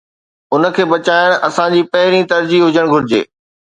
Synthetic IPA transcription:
ʊnə̆kʰeːbɐt͡ɕaːjɪɽ̃ʔɐsãd͡ʑiːpɐɦɪɾĩt̪ɐɾd͡ʑiɦʊd͡ʑəɽ̃ɡʱʊɾɪd͡ʑḛː

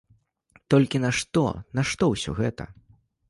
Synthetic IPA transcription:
t̪ɔlʲkʲinɐʂt̪ɔ̰nɐʂt̪ɔwsʲɔ̰ɣɛt̪ɐ̰

